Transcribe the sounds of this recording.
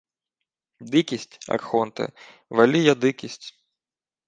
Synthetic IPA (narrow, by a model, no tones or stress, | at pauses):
d̪ɨkʲisʲtʲɐ̰rxɔnt̪ɛ̰ | valʲijɐd̪ɨkʲisʲtʲ